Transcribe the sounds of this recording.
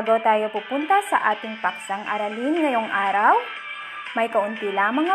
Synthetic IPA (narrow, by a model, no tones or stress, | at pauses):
ɡowt̪aːjopupunt̪ɐsɐʔaːt̪ɪŋpɐk̚sɐŋʔɐ̰ɾɐlinŋɐjoŋʔaːɾɐw | mɐjkɐʔʊnt̪ilaːmɐŋːɐ